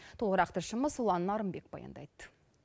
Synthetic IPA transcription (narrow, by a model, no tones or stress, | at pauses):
t̪ʰulʁəɾɑqt̪əʃəməzulˠɑnːɑɾəmbe̞k̚bɑ̰jɑ̰nd̪ɑ̰jt̪